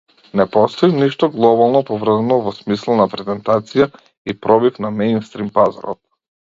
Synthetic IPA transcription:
nɛpɔst̪ɔiniʃt̪ɔɡlˠɔbalˠnɔpɔvr̩zɛnɔvɔsmislˠanapɾɛzɛnt̪at̪sija | ipɾɔbifnamɛjnst̪ɾimpaza̰ɾɔ̰t̪̚

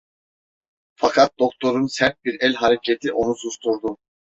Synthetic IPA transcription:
fakʰat̪̚d̪o̞k̚t̪ʰo̞ɾunsɛɾt̪̚biɾɛlʲɦaɾecʰet̪ʰiʔo̞nusust̪ʰuɾd̪u

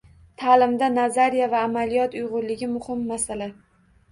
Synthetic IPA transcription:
t̪ʰalɪmd̪anazaɾijavaːmalijɒt̪ʊjʁʊɾlɪɡʲɪmʊhɪmːasala

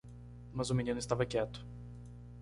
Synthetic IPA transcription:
mɐzʊminĩnʊɪst̪avɐkɛt̪ʊ̥

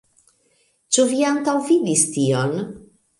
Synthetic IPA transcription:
t͡ʃuviaŋkawvid̪ist̪ion

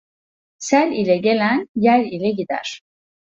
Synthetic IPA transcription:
sælʲilʲɛɟelʲænjælʲilʲɛɟid̪æ̰ɾ̥

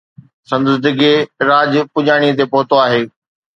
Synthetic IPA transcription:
sɐ̃nd̪d̪ɪɡeɾaːd͡ʑpʊd͡ʑaːɽ̃it̪̬epɐɦʊt̪oaːɦeː

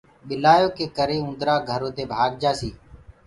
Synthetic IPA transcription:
ɓɪlaːjoːkeːkəɾeːũnd̪ɾaːɡʱəɾoːt̪eːbʱaːɡ̚d͡ʒaːsiː

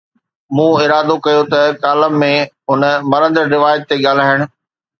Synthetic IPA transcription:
mũːɪɾaːd̪okɐjot̪ɐkaːləmːẽ | ʊnəmɐɾə̃nd̪əɾɾɪʋaːjət̪ːeɠaːl̤aːɪɽ̃ʊ̆

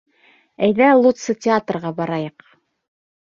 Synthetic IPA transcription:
æjðælˠut̪sɤtʲɪat̪rʁɑbɑɾɑjɤq

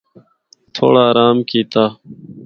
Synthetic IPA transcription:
t̪ʰo̰ːɽaːɾaːmkiːt̪aː

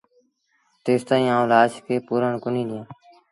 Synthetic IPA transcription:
t̪eːst̪aːĩːãːũlaːʃkeːpuːɾəɳkʊnĩːɗ̪ɪjãː

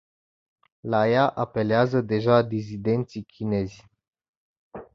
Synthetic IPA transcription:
lajaʔape̞leazəd̪e̞ʒad̪izid̪e̞nt̪sikʲʰine̞zʲ

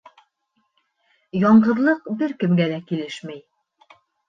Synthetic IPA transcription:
jɒɴɢɤ̆ðlˠɤqbɘɾkɘ̆mɡælækilɘʃmæj

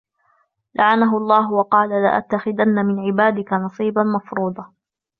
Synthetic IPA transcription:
lʔaʕanaɦʊɑlˤːɑːɦwɑqɑːlala̰ʔa̰t̪ːaxɪd̪anːamɪnʕɪbaːd̪ɪkanɑsˤiːbanmɑfɾuːd̪ˤɑ

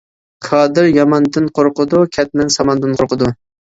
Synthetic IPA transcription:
kʰɑːd̪ɪɾjɑmɑnd̪ɪnqʰoɾqʊd̪ukʲʰɛt̪̚nɪnsɑmɑnd̪ɨnqʰoɾqʰəd̪u

